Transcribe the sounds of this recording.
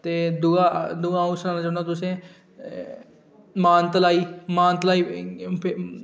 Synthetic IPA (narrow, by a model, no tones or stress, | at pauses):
t̪eːd̪ʊaːd̪ʊɡãːʊsnaːnaːd͡ʒanaːt̪ʊsẽː | maːnt̪əlaːiːmaːnt̪əlaːiː